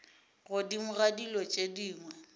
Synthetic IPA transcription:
ɣʊdimʊɣadilɔt͡ʃʼediːŋwɛ

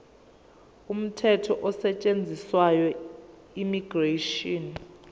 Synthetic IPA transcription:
um̩tʰɛtʰɔʔɔsɛt͡ʃʼend͡zʱiswajɔ | imiɡ̥reʃɔn

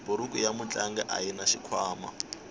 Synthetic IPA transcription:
buɾukʼujamut͡ɬʼaŋɡɛʔa̰jinaʃikʰwaːma̰

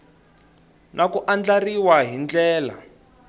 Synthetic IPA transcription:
nʔakuʔand͡ɮariwaɦind͡ɮɛːla̰

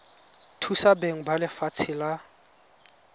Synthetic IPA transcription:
tʰusabeŋ̩balɪfat͡sʰɪla

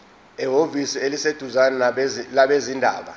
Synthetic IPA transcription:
ɛɦovisielised̥ʱuzanaalaɓezindʱa̰ːɓa̰

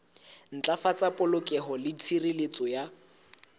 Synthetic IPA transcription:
n̩t͡ɬʼafat͡sʼapʼʊlʊkʼɛɦɔlɪt͡sʰirilet͡sʼɔja

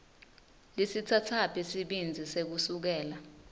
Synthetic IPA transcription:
lisitʰatʰapʰisiɓind͡zʱisek̬usuk̬ɛːla

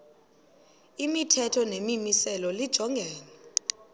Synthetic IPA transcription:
imitʰɛtʰɔnemimisɛlɔlid̥ʒ̥ʱɔŋɡʱɛːnɛ

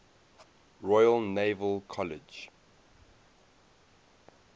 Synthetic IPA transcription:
ɹɔjəlˠnevəlˠkʰɔlɪd͡ʒ

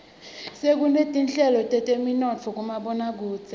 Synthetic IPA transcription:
sek̬unetʼinɬɛlɔtʼɛtʼeminɔt͡fʰɔk̬ʼumaɓɔnak̬uːt͡sʰʼɛ

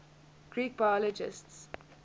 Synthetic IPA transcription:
ɡ̥ɹiːk̚b̥ajɔlɔd͡ʒɪ̰sts

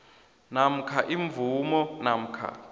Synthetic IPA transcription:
nam̩kʰaʔiɱvumɔnam̩kʰa̰

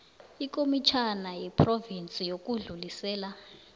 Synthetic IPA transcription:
ikʼomit͡ʃʰanajɛpʰrovint͡sʼijok̬ʼuɮulisɛːla

